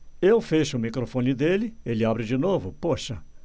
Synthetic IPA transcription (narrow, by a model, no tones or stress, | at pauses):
ewfeʃʊʊmikɾofõnɪd̪elɪelɪabɾɪd͡ʒɪnovʊpoʃɐ